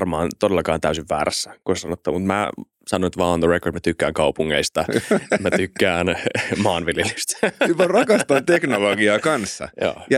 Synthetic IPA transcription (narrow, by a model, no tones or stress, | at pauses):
rmɑːnt̪odelːɑkɑːnt̪æysiʋːæ̰ːɾæsːækosesɑnot̪ːɑmut̪mæ̰ | sɑnonet̪ʋɑːonðərekord̪mæt̪ykːæːŋkɑupuŋːeist̪ɑmæt̪ykːæːnmɑːnʋiljelist̪ymærɑkɑst̪ɑnt̪eknoloɡiɑːkɑnsːɑ̰jo̰ːjɑ